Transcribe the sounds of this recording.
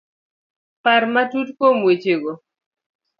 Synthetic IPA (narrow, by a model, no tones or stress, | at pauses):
paɾmatutkomwet͡ʃeɡo